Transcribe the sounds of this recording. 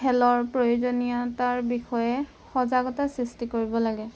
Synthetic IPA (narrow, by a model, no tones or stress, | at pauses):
hɛlɔɹpɹojozonijataɹbixɔjɛ | xɔzaɡɔtasɹistikoɹibɔlaɡɛ